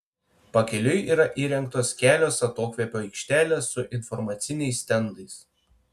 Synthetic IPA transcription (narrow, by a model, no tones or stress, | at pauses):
pɐkʲɛlʲʊjiːɾɐʔiːɾʲɛŋkt̪oːskʲæːlʲoːsɐt̪oːkʋʲɛpʲoːɛɪkʃʲt̪ʲæːlʲeːsːʊʔɪnfɔɾmɐt̪sʲɪnʲɛɪsʲt̪ʲɛnd̪ɐɪs